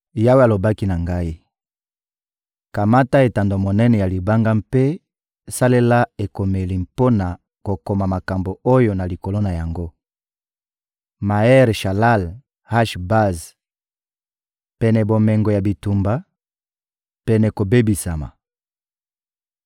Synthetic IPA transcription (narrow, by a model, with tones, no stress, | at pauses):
ja˦we˦a˨lo˨ba˦ki˦na˨ŋɡa˦i˦ | ka˨ma˦ta˦e˨ta˨ndo˨mo˨nɛ˦nɛ˨ja˨li˨ba˦ŋɡa˦mpe˦ | sa˦le˦la˦e˨ko˨me˨li˨mpo˦na˨ | ko˨ko˨ma˨ma˨ka˨mbo˨o˦jo˨na˨li˨ko˨lo˦na˨ja˨ŋɡo˦ | ma˨ɛ˦ʁʃa˨la˦l | ha˦ʃba˦z | pɛ˨nɛ˨bo˨mɛ˨ŋɡo˨ja˨bi˨tu˨mba˨ | pɛ˨nɛ˨ko˨be˦bi˨sa˨ma̰˨